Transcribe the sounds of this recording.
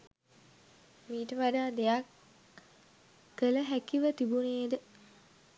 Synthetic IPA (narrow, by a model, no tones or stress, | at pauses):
miːʈəʋaɖaːd̪ejak | ələɦækiʋət̪ibuneːd̪ə